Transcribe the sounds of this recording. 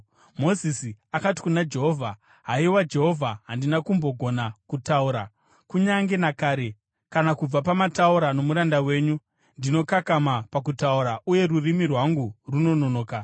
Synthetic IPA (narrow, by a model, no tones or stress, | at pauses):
mo̞zisiakati̥kunad͡ʒe̞ɦo̞vʱa | ɦaiwad͡ʒe̞ɦo̞vʱaɦandinakumbo̞ɡʱo̞nakutauɾa | kuɲaŋɡe̞nakaːɾe̞ | kanakub͡vapamatauɾano̞muɾandawe̞ːɲu | ndino̞kakamapak̬utauɾaʔuje̞rurimirwaŋɡuruno̞nonoːka